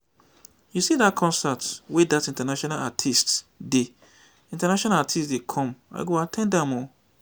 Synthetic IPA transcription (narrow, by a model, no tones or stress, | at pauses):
jusidakʰɔ̃nsatwedatĩntanaʃɔnalatʰistde | ĩntanaʃɔ̃naatʰistdekʰɔ̃ma̰ɪɡoatʰɛ̃ndãmɔ̃